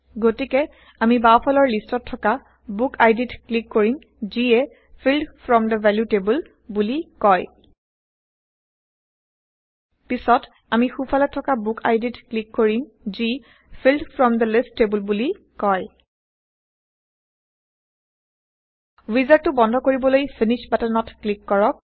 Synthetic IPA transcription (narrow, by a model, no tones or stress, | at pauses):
ɡotikɛ | amibapʰɔlɔɹlistɔtʰːɔka | bukʰajditklikːoɹim | ziɛ | pʰildfʰɹɔmd̪əvɛljutebul | bulikɔj | pisɔt | amixupʰalɛtʰːɔkabuka̰jditklikːoɹim | zi | pʰildfʰɹɔmd̪əlistːebulbuli | kɔj | wizaɹtʊbɔndʱɔkoɹibɔlojpʰiniʃbatanɔtklikːɔɹɔk̚